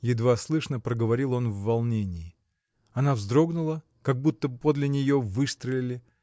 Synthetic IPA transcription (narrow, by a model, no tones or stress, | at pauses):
jɪd̪vaslˠɨʂnəpɾəɡəvɐɾʲilˠo̞nvːɐlˠnʲenʲɪː | ɐnavzd̪ɾo̞ɡnʊlˠə | kɐɡ̚but̪ːəbpod̪lʲɪnʲɪjo̞vɨst̪ɾəlʲɪlʲɪ